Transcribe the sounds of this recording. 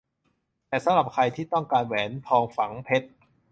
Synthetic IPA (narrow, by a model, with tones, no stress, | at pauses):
t̪ɛː˨˩sa˨˦mɾa˨˩p̚kʰɾa˧jt̪ʰiː˥˩t̪ɔ˥˩ŋkaː˧nwɛː˩˦np̪ʰɔː˧ŋfa˩˦ŋpʰe˦˥t̪̚